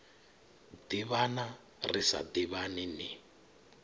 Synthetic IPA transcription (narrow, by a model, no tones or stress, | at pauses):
d̥iβana | risa̰d̪iβanini